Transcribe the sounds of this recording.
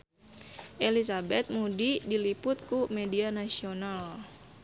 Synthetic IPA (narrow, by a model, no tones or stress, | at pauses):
ʔelisabɛt̪̚mudidilipʊt̪̚kumedianasional